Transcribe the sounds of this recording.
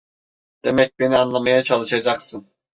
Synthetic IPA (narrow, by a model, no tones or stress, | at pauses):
d̪̥e̞mɛc̚be̞nianlˠamajat͡ʃʰalˠɯʃad͡ʒaksɯn